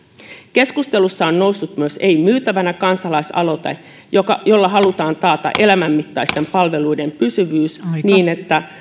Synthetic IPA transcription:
ke̞skust̪e̞lusːɑonno̞wsːut̪myøse̞imyːt̪æʋænækɑnsɑlɑisɑ̰lo̞t̪ḛ | jkɑjo̞lːɑɦɑlut̪ɑːnt̪ɑːt̪ɑ̰ʔe̞læmæmːit̪ːɑist̪e̞mpɑlʋe̞lujde̞mpysyʋyːsniːne̞t̪ːæ

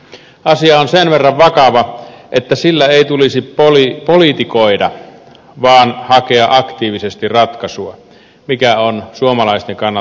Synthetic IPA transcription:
ʔɑsiɑonsenʋerːɑʋʋɑkɑʋɑʔet̪ːæsilːæeˑit̪ulisipolipolit̪ikoidɑ̰ | ʋɑːnhɑkeɑʔɑkt̪iːʋisest̪irrɑt̪kɑsuɑ | mikæonsuomɑlɑˑist̪eŋkɑnː

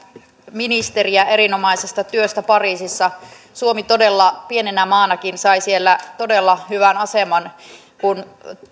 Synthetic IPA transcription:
minist̪eriæʔeɾino̞mɑisest̪ɑt̪yøst̪æpɑriːsisːɑ | suomit̪odelːɑpie̞nenæmɑːnɑkinsɑisielːæt̪odelːɑhyʋænɑsemɑn | kun

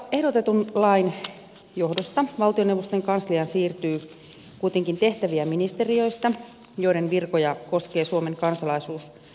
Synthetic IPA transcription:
ehdot̪et̪unlɑin | johdost̪ɑʋɑlt̪ioneuʋost̪eŋkɑnsliɑnsiːrt̪yː | kuijt̪eŋkint̪eht̪æʋiæminist̪eriøist̪ɑ | joiɾenʋirkojɑkoskeːsuomeŋkɑnsɑlɑisuːs

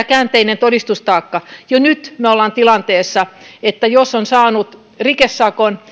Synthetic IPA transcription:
kæːnt̪einent̪odist̪ust̪ɑːkːɑjonyt̪molːɑnt̪ilɑnt̪eːsːɑet̪ːæjosːonsɑːnut̪ | rikesːɑkon

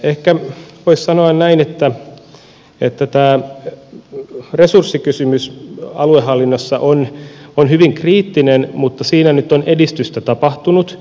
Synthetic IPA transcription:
ehkæʋoissɑnoɑnnæinet̪ːæ | et̪ːæt̪æː | resursːikysymysɑ̰luehɑlːinːosːɑʔononɦyʋiŋkriːt̪ːinenmut̪ːɑsiːnænyt̪onʔedist̪yst̪æt̪ɑpɑht̪unut̪

